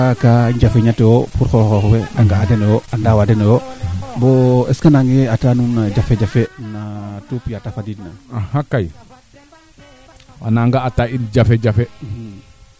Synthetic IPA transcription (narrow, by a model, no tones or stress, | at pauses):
kaɲd͡ʒafeɲatewopuɾxoxoxweaŋɡaadenɔjoandawadenojoboeskanaŋɡeatanunad͡ʒafed͡ʒafenatupjatafadidnaahakaj | wa̰naŋɡaːtaind͡ʒafed͡ʒafe